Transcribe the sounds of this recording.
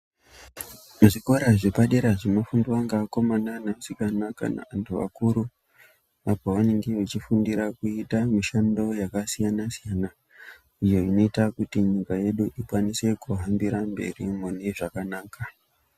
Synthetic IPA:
ʐiko̞ɾaʐipaɗeɾaʐemafunduwaŋɡaːko̞mananasikanaka̰na̰antʰuʋa̰kuɾu | apoʋane̞ŋɡeet͡ʃifundiɾakuitamiʃando̞jakasijanasijana | ijo̞ino̞itakutiɲikaje̞ɗuʔikwanise̞kuɦambiɾambe̞̰rimuneʐakanaːka

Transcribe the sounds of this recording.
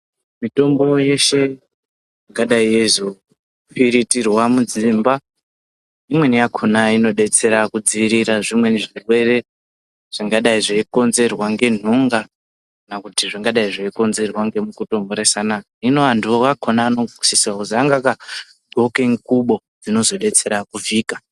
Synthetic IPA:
mito̞mbo̞je̞ʃe̞ | ʐiŋɡaɗaiezo | piɾitirwamud͡zimba | imwe̞nijakʰonaino̞ɗe̞t͡se̞ɾakud͡ziiɾiɾaʐimwe̞niʐirwe̞re̞ | ʐ̥iŋɡaɗaiʐeiko̞nze̞rwaŋɡe̞n̤uŋɡa | knakutiʐiŋɡaɗaiʐeiko̞nze̞rwaŋɡe̞mukuto̞ŋɡoɾesana | ino̞anduokakʰonaːno̞ɡisisiwakutiaŋɡaka | ɡʱo̞keŋkuɓo̞ | d͡zino̞zo̞ɗe̞t͡se̞ɾakuviːkḁ

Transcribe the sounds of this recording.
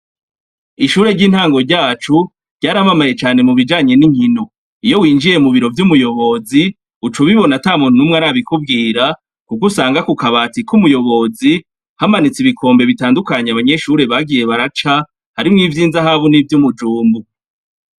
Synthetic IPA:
iʃuːɾe̞ɾɟiːn̥haːŋɡo̞ɾɟaːt͡ʃu | ɾɟaːɾamamaje̞t͡ʃaːne̞muβid͡ʒaːɲe̞niɲ̥hino̞ | ijo̞wiːnd͡ʒiɾe̞muβiɾo̞vjumujo̞βo̞zi | ut͡ʃuβiβo̞nataːmuːnhunumŋaɾaːβikub̚ɡiːɾa | kukusaːŋɡakukaβatikumujo̞βo̞zi | hamanit͡siβikʰo̞ːmbe̞βitaːndukaɲeaβaɲe̞ʃuɾe̞βaɡije̞βaɾat͡ʃa | haɾimŋivjiːnzaɦaːβunivjumud͡ʒuːmbu

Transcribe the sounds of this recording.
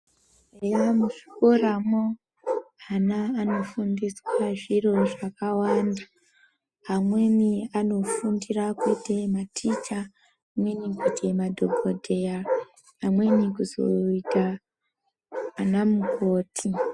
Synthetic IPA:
ejamuʂi̥koɾamo | anaːno̞fundiswaʐiro̞ʐakawaːndaː | mwe̞miano̞fundirakwete̞matʰit͡ʃa | nenikwetʰemadʱobʱodʱe̞ja | amwe̞mikuzo̞̰ita | namukoːtʰi

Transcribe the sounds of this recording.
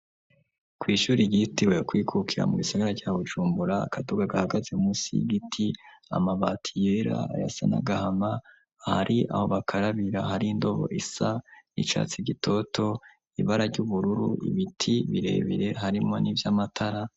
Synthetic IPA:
kwiːʃuːɾiɡitiwekwiːkʰukʰiɾa̰muɡisaɡaɾaɾɟaːβuʒuːmbuɾaːkʰaduɡaɡahaɡazeumusḭɡitʰia̰maβaːtʰijeɾa̰a̰ja̰sa̰na̰ɡahamaː | haɾʔiʔa̰ho̞βakʰaɾaβiɾahaɾiːndo̞βo̞̰ʔisanḭt͡ʃa̰ːt͡siɟitʰo̞tʰo̞ | iβaɾaɾɟuβuɾuɾṵʔḭβitʰiβiɾe̞̰ːβiɾe̞ɦaɾimo̞nivjamatʰaɾa

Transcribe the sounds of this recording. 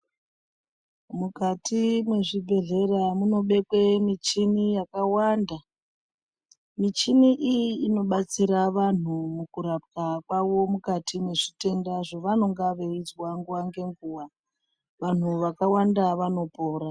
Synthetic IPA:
mukatʰimwe̞ʐibʱe̞ɮe̞ramuno̞ɓe̞kwemit͡ʃinijakawanda | mit͡ʃiniʔijiːno̞ɓat͡siɾaʋan̤umukuɾap̚kakwaʋo̞mukatʰimwe̞ʐite̞ndaʐoʋano̞ŋɡaʋeid͡zwaŋɡuwaŋɡe̞ŋɡuːwa | ʋan̤uʋakawandaʋano̞po̞ːɾa

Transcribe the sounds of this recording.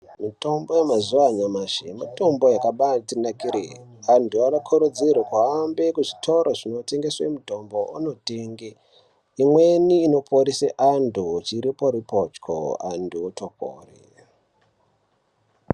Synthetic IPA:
mito̞mbojemazuaɲamaʃemato̞mbojakaɓatinakiɾḛ | anduaʋakʰoɾod͡zirwekwaːmbe̞kuʐitʰo̞ɾoʐino̞te̞ŋɡe̞swemuto̞mbo̞ṵno̞te̞ːŋɡe | imwe̞niːno̞pʰoɾiseʔandʱut͡ʃiɾipo̞ɾipot͡ʃkʰo̰a̰nduotʰoko̰ːrḭ

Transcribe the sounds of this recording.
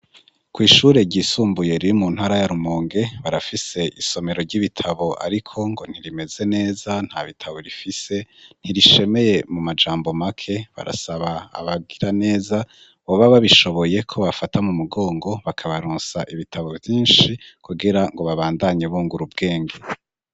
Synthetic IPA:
kwiːʃuɾe̞ɟiːsuːmbuje̞ɾijomun̥haɾajaɾumoːŋɡe̞βaɾafise̞ʔiso̞me̞ɾo̞ɾɟiβitʰaβo̞ʔa̰ɾikʰo̞ŋɡo̞n̥iɾime̞ze̞ne̞ːzan̥haβitʰaβoɾifise̞n̥iɾiʃe̞me̞je̞mumad͡ʒaːmbo̞makʰe̞βa̰ɾa̰saβa̰ːβaɡiɾane̞ːza | βo̞βaβaβiʃo̞βo̞je̞kʰo̞βafatamumuɡo̞ːŋɡo̞βakʰaβaɾuːnsaʔiβitʰaβo̞vjiːnʃikuɡiɾaŋɡo̞βaβaːndaɲeβuːŋɡuɾubɡe̞ːŋɡe

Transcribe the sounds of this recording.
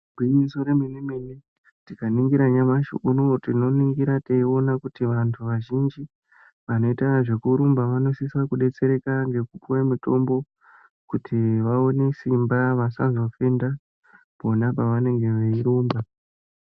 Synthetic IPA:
bʱiznisoɾeminimine | tikaniŋɡiɾaɲamaʃṵʔunotino̞niŋɡiɾateio̞nakutiʋantʰuʋaʒind͡ʒi | ʋano̞itaʐe̞kuɾumbaʋano̞sisakuɗe̞t͡se̞ɾe̞kaŋd͡ʒe̞kupuwemuto̞mbo̞ | kutʰiʋao̞ne̞simbaʋasazo̞fenda | po̞napaʋane̞ŋɡe̞ʋeiɾuːmba

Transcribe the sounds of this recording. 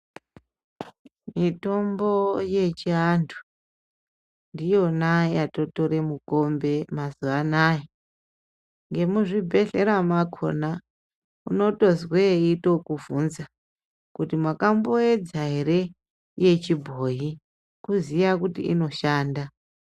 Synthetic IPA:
mito̞mbo̞je̞t͡ʃiandʰʱu̥ | ndijo̞najato̞to̞ɾe̞muko̞mbe̞mazuʋanaje | ŋɡe̞muʐibʱe̞ɬe̞ɾamakʰo̞̰na | uno̞to̞zweito̞kuvunza | kutimwakamboed͡zaɦe̞ɾe̞ | je̞t͡ʃibʱo̞ːɦi | kuzijakutḭḭno̞ʃaːnda

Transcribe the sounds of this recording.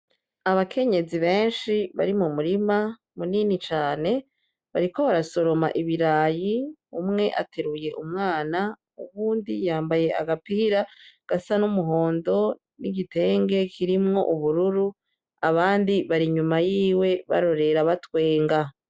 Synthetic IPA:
aβakʰe̞ɲe̞ziβe̞ːnʃiβa̰ɾimumuɾima | muninit͡ʃaːne̞ | βaɾikoβaɾaso̞ɾo̞ma̰ʔiβiɾaːjiumŋe̞ʔa̰tʰe̞ɾuje̞ʔumŋaːna | ṵβuːndijaːmbaje̞a̰ɡapihiɾaɡ̥asanumuɦo̞ːndo̞ | niɟite̞ːŋɡe̞kʰiɾimŋo̞̰ʔuβuɾuɾu | aβaːndiβaɾiɲumajiːwe̞βa̰ɾo̞ɾe̞ɾaβatwe̞ːŋɡa

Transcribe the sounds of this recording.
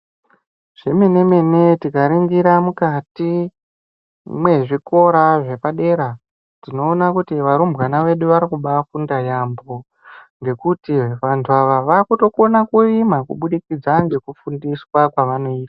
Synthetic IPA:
ʐ̥emene̞me̞ne̞tikaɾiŋɡiɾamukati | mwe̞ʐiko̞ɾaʐe̞paɗe̞ɾa | tino̞ːnakutiʋaɾumbɣanaʋe̞ɗuʋaɾikuɓafundajambo̞ | ŋɡe̞kutiʋantʰuaʋaʋakuto̞ko̞nakuimakuɓuɗikid͡zaŋɡe̞kufundiswakwaʋano̞iːtḁ

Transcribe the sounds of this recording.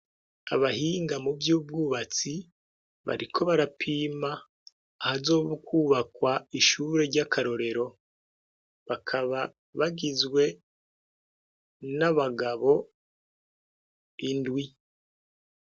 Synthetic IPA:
a̰βahiːŋɡamubjuːb̚ɡuːβat͡si | βa̰ɾikʰo̞βaɾapʰiːmaː | hazo̞ːβokʰuːβakwaiʃuɾe̞ɾɟakʰaɾo̞ɾe̞ɾo̞ | βakʰaβa | βaɡizɡwe̞ | naβaɡaβo̞ | indwi

